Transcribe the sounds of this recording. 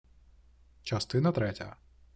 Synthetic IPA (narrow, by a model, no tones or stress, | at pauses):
t͡ʃɐst̪ɪnɐt̪ɾɛtʲɐ̰